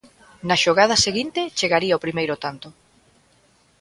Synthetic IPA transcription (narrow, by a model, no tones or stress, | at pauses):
naʃoɣað̞ɐseɣint̪et͡ʃeɣaɾiaopɾimejɾʊt̪ant̪o